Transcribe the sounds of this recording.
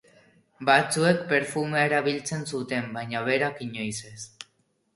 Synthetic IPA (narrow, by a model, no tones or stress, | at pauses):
bat͡sue̞kpe̞ɾfumeaeɾaβilt͡se̞nsut̪e̞mbajɲaβe̞ɾakiɲo̞jse̞s